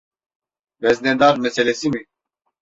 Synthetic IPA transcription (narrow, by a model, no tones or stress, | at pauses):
vɛznɛd̪aɾmɛsɛlɛsimi